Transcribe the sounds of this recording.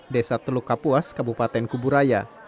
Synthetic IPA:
desat̪əlukːapuaskabupat̪ɛnkubuɾaja

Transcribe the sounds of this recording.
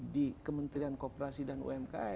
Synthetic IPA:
dikəmənt̪ɾiankopəɾasidanṵɛmka

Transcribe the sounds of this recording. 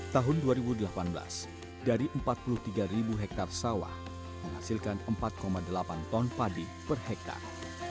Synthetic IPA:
t̪aɦʊnduaɾibudəlapanbəla̰s | daɾiʔəmpat̪̚pulut̪iɡaɾibuɦɛk̚t̪arsawa̰h | məŋɦasilkanəmpat̪̚komadəlapant̪ɔnpadi | pərhɛk̚t̪a̰r

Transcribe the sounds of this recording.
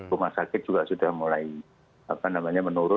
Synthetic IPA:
umasakɪt̪̚d͡ʒuɡasudahmulai | apanamaɲamənuɾʊ

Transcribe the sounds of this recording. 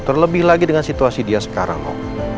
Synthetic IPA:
t̪ərləbɪhlaɡidəŋansit̪uasidiasə̥ka̰ɾa̰ŋlo̰

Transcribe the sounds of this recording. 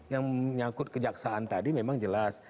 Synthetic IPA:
jaŋəɲakʊt̪̚kəd͡ʒaksaːnt̪adimemaŋd͡ʒəlas

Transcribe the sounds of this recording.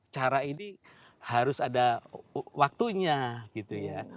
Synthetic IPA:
t͡ʃaɾaini | haɾʊsada | wak̚t̪uɲaɡ̥it̪uja

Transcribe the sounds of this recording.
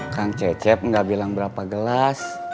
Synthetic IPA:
kaŋt͡ʃɛt͡ʃɛp̚ŋɡabilaŋbəɾapaɡəlas

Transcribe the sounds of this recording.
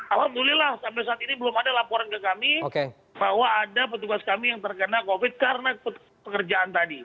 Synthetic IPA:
alabulɪlahsampajsaːt̪inibəlʊmadalapɔɾankəkamioke | baɦwaːdapət̪uɡaskamijaŋt̪ərkənakofɪt̪̚kaɾənapə | pəkərd͡ʒaʔant̪adi

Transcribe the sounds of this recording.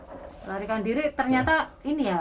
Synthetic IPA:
laɾikandiɾit̪ərɲat̪ainija

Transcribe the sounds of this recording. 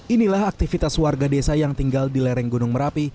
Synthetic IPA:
inilaɦak̚t̪ifit̪aswarɡadesajaŋt̪iŋɡaldilɛɾɛŋɡunʊŋməɾapi

